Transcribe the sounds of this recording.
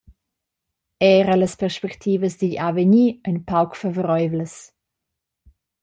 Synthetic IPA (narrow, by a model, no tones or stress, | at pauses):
ɛːɾələspɛʁʃpɛktʰiːvəsd̪iʎavəɲiːəjnpawkfavɔɾɔjvləs